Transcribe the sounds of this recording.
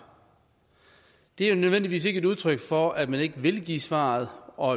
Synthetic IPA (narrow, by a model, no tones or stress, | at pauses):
d̥e̝æjonøðˠʋen̰diʋḭːse̝ɡ̥əe̝duð̞ˠt͡sʰʁœɡ̥fɒ̽æd̥mæne̝ɡ̥əʋe̝lɡ̥ḭːsʋɑ̰̈ːð̞̩ˠɒ̽æ